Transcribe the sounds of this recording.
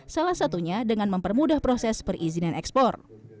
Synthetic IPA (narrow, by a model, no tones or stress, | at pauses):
salahsat̪uɲadəŋanməmpərmudahpɾosɛspərʔizinanɛkspɔr